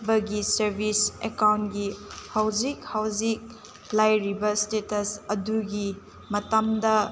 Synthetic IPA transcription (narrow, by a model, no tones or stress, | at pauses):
bɐɡisɐɾbʱisekawntɡihawd͡ʒikhawd͡ʒik̚ | lajɾibɐstetɐsɐduɡi | mɐtɐmdɐ